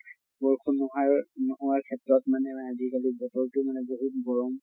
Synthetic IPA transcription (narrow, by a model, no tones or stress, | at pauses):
bɔɹkʰunɔɦaɹnɔɔaɹkʰɛtɹɔtmanɛazikalibɔtɔɹtumanɛboɦut̚ɡɔɹɔm